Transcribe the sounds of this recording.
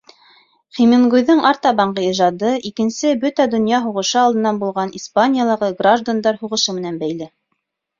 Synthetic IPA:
χiminɡujðɤŋʔɑɾt̪ɑbɑɴɢɤiʒɑd̪ɤʔikɘ̆nsɘbɵt̪æd̪ŏnjɑɦuʁɤ̆ʃɤɑlˠd̪ɤ̆nːɑnbulˠʁɑnispanʲijalˠɑʁɤɡraʒd̪and̪ɑɾhuʁɤ̆ʃɤmɘ̆nænbæjlɘ

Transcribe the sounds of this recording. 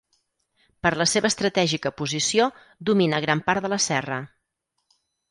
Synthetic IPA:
pəɾləseβəːst̪ɾət̪ɛʒikəpuzisio | d̪uminəɣ̞ɾampaɾt̪ələsɛrə

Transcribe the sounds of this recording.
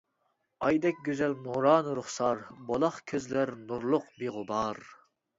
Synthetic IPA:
ɑjd̪ɛkʲɡʲøzɛlmuɾɑːnɨɾʊχsɑɾbolˠɑχkʲʰøzlæɾnuɾlˠʊqbeʁʊbɑɾ

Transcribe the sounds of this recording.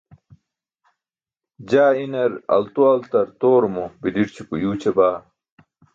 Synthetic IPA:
d͡ʑaːinɐɾɐ̰lt̪uɐlt̪ɐɾt̪oːɾomobidiɾt͡ɕʰipujuːt͡ɕʰɐbaː

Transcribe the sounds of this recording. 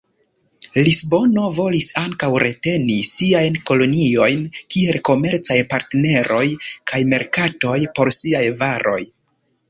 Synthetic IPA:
lisbo̞no̞vo̞lisaŋkawɾe̞te̞nisiajnko̞lo̞nio̞jnkie̞lko̞me̞ɾt͡sajpaɾtene̞ɾʔo̞jkʰajme̞ɾkato̞jpo̞ɾsiajvaɾʔo̞̰j

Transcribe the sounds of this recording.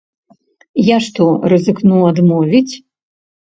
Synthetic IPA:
jaʂt̪urɨzɨknuad̪mɔvʲit͡sʲ

